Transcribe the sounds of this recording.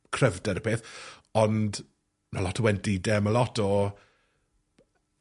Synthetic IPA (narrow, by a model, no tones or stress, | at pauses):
kʰrəvdɛɾəpʰeːθɔnd | malɔtʰɔwɛntidɛməlɔtʰɔ